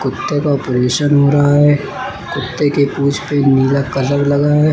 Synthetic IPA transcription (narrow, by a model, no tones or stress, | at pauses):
kʊt̪ːekaɔːpɾeːʃənɦoɾaɦaɦɛ | kʊt̪ːekepuːd͡ʒʰpeniːlakɐzəblɐɡaɦɛː